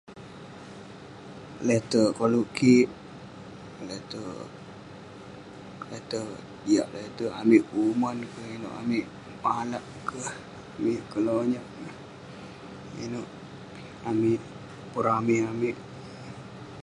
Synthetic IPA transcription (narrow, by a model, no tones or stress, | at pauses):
let̪əkoluʔkiʔ | let̪ə | let̪ə | dija̰ʔlet̪əamiʔumɔnkəhino̰ʔa̰miʔ | malaʔkəh | amiʔkəloɲaʔə | inoʔ | amiʔ | pəɾamiʔamiʔ